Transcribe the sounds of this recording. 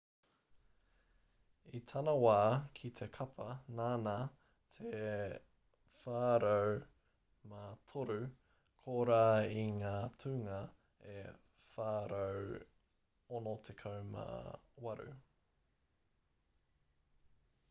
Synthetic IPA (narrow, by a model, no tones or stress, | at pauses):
it̪ʰɐnɐwaːkʰit̪ʰe̞kʰɐpʰɐnaːna | t̪ʰe | faːɾow | matʰoɾʉ | kʰoːɾaːiŋaːtʰʉːŋɐ | e | faːɾow | onot̪ʰekʰɐwma̰wɐɾʉ̰